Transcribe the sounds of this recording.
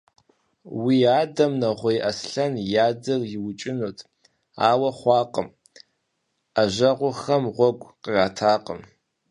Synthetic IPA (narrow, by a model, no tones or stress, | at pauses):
wiːaːdɐmnɐʁʷejʔɐsɬɐnjaːd͡zɐrjɪwʊt͡ʃʼɪnoːtʰ | a̰ːwɐχʷɑːqəm | aʒɐʁʷʊxɐmʁʷɔɡʷʼqəraːtʰaːqʼə̰m